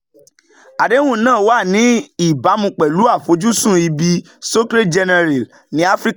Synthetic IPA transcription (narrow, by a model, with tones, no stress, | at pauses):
a˨de˨˦w̃ũ˦nãː˦˨˦wa˦˨nĩ˨˦i˦˨ba˨˦mũ˧k͡pɛ˨lu˨˦a˦˨fo˨˧˦d͡ʒu˦sũ˦˨i˧bi˧ | so˦kɾe˦d͡ʒɛ˧nɛ˧ɾɛ˨l | nĩ˨˦a˦fɾi˦k